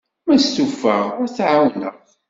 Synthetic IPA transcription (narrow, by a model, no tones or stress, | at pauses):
mæst̪ufə̰ʁʊɾθʕawnəʁ